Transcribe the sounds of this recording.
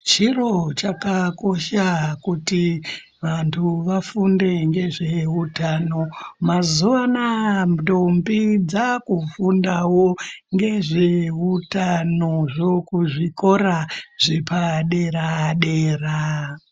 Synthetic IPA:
t͡ʃiro̞t͡ʃakako̞ʃakuti | ʋantʰuʋafunde̞ŋɡe̞ʐe̞utano̞mazuʋanamdombid͡zakufundawoŋɡe̞ʐeutanoʐo̞kuʐiko̞ɾaʐipaɗe̞ɾaɗe̞ːra

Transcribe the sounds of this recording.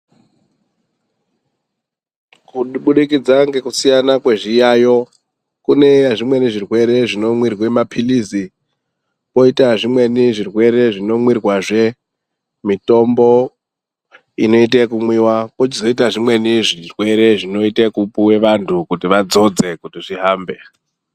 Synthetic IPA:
kuɓuɗikid͡zaŋɡe̞kusijanakwe̞ʐijajo̞ | kune̞jaʐimwe̞niʐirwe̞ɾe̞ʐino̞mwirwemapʰilizi | po̞itaʐimwe̞niʐirwe̞ɾe̞ʐino̞mwirwaʐe̞ | mito̞mbo | ino̞it̬ekumwiwapot͡ʃizo̞itaʐimwe̞niʐirwe̞ɾe̞ʐino̞itekupuwe̞ʋantʰukutiʋad͡zo̞d͡ze̞kutiʐiɦaːmbe̞

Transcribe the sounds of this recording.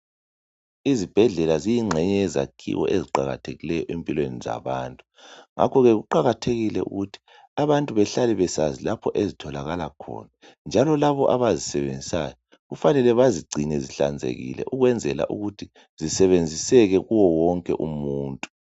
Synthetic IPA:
izib̥ʱɛɮɛlazijiŋ͡ǁʱɛɲɛjɛza̰kʰḭwɔ̰ʔeziǃaɣa̰tʰeɣilɛjɔʔempʼilweniza̰βaːntʼu | ŋa̰kʰɔɣɛɣuǃaɣatʰeɣilɛʔṵɣutʰi̥ | aβantʼuβɛɬalɛβɛsazilapʰɔʔezitʰɔlaɣalakʰɔ̰ːna | nd͡ʒʱalɔlaβɔʔaβazisɛβend͡zʱisajɔ | ɣufanɛlɛβaziɡ͡ǀʱinɛziɬa̰nd͡zʱḛɣḭlɛ̰ʔuɣwɛnd͡zʱɛla̰ʔṵɣutʰi | z̥isɛβend͡zʱisɛɣɛɣuwɔwɔŋkʼɛʔumuːntʼu̥

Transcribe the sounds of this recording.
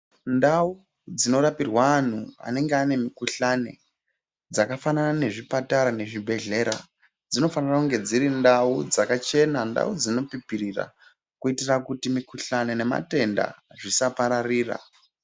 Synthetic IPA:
ndau | d͡zino̞ɾapirwaːn̤ua̰ne̞ŋɡeane̞mikuɬane̞̰ | d͡zakafananane̞ʐipataɾane̞ʐibʱe̞ɮe̞ɾa̰ | d͡zino̞fanirakuŋɡe̞d͡ziɾindaud͡zakat͡ʃe̞nanda̰ud͡zino̞pipirira̰ | kuitirakutimikuɬanene̞ma̰te̞nda̰ʐisapaɾariːra̰

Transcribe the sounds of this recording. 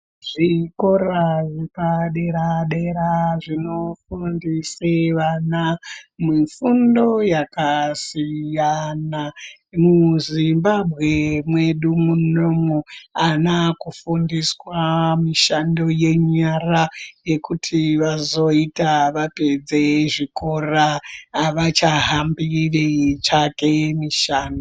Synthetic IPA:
ʐ̥iko̞ɾaʐepaɗeɾaɗeɾaʐino̞fundiseʋanamifundo̞jakasijanamuzimbabʱɣe̞mwe̞ɗumunomoanakufundiswamiʃando̞je̞ɲaraje̞kutʰiʋazo̞itaʋape̞d͡ze̞ʐikoraʋat͡ʃaɦambiʋet͡ʃake̞miʃaːndo

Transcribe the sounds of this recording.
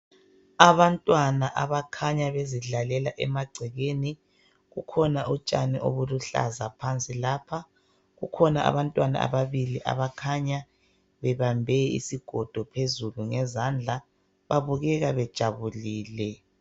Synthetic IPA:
aβantʼwanaʔaβakʰaɲaβeziɮalɛlaʔɛmaɡ͡ǀʱɛɣeni | ɣukʰɔnaut͡ʃʼa̰nḭʔo̰βuluɬa̰zapʰant͡sʼilaːpʰa | ɣukʰɔnaa̰βantʼwana̰a̰βaβiliʔa̰βakʰaɲa | βɛβambʱɛḭsiɡ̥ʱɔd̥ʱɔpʰezuluŋɛzand͡ɮʱa | βaβuɣɛɣaβɛd̥ʒ̥ʱaβuliːlɛ

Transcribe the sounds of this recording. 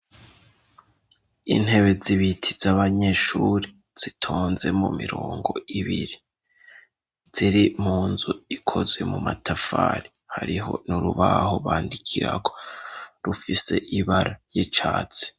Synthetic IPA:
ḭn̥he̞βe̞ziβitʰi̥zaβaɲe̞ːʃuɾi | z̥itʰoːnze̞mumiɾoːŋɡo̞iβiɾi | z̥iɾim̥huːnzuikʰo̞zwe̞mumatʰafaːɾihaɾiɦo̞̰nuɾuβaɦo̞βaːndikʰiɾaɡoɾufise̞ʔiβaɾajit͡ʃaːt͡se̥

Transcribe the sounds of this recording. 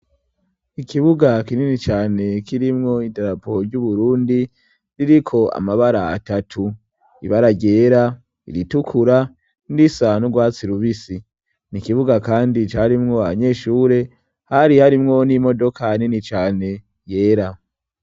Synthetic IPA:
ikʰiβuɡakininit͡ʃaːne̞kiɾimŋo̞idaɾapoɾɟuβuɾuːndi | ɾiɾikʰo̞a̰maβaɾaa̰tatʰu | ḭβaɾaɟe̞ːɾa | ḭɾitukʰuɾa | ndisanuɡwaːt͡siɾuβisi | nikiβuɡakaːndit͡ʃaɾimŋo̞aβaɲe̞ːʃuːɾe̞ | haɾihaɾimŋo̞nimo̞do̞kʰaninit͡ʃaːne̞ | je̞ːɾa

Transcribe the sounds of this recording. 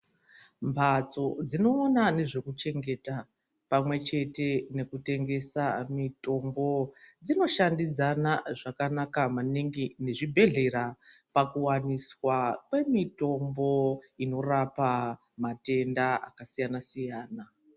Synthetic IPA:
mbʱat͡so̞d͡zino̞ːnane̞ʐe̞kut͡ʃe̞ŋɡe̞ta | pamwe̞t͡ʃe̞te̞ne̞kute̞ŋɡe̞samito̞mbo̞d͡zino̞ʃandid͡zanaʐakanakamaniŋɡine̞ʐibʱe̞ɮe̞ɾapakuwaniswakwe̞mito̞mbo̞ino̞rapa | mate̞ndaa̰kasijanasijaːna

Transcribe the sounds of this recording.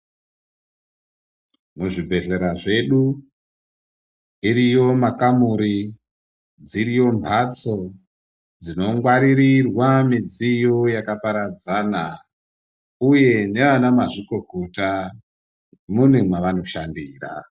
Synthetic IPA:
muʐibʱe̞ɮe̞ɾaʐe̞ɗu | iɾijo̞makamuɾi | d͡ziɾijo̞mbʱat͡so̞ | d͡zino̞ŋɡwaɾiɾirwamid͡zijo̞jakapaɾad͡zana | uje̞ne̞ʋanamaʐiko̞kota | mun̤emaʋano̞ʃandiːra̰

